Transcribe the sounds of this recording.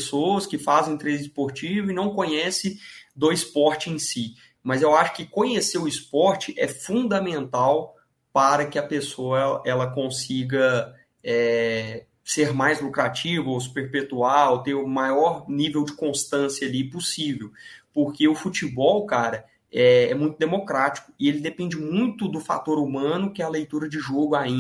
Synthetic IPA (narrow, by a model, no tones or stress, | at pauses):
soɐskɪfazẽj̃t̪ɾezɪspoɾt͡ʃivʊɪnɐ̃w̃kõɲɛsɪd̪oispɔɾt͡ʃɪẽj̃si | mɐzewaʃʊ̥kɪkõɲeseɾʊispɔɾt͡ʃɪʔɛ̰fũd̪ɐmẽnt̪aw | paɾɐkɪɐpesoɐɛlɐkõsiɡɐ | ɛ | seɾmajzlukɾat͡ʃivɐospeɾpet̪uawt̪eɾʊmajɔɾnivewd͡ʒɪkõst̪ɐ̃sjɐaːlipʊsivewpoɾkeʊfut͡ʃibɔwkaɾɐ | ɛɛmũj̃t̪ʊd̪emokɾat͡ʃi̥kʊ̥ɪelɪd̪epẽnd͡ʒɪmũj̃t̪ʊd̪ʊfa̰t̪oɾumɐ̃nʊkɪɐlejt̪uɾɐd͡ʒɪʒoɡʊaĩ